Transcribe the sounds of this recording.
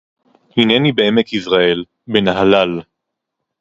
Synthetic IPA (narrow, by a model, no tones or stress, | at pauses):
hinenibeemekizʁae̞l | benaɦalal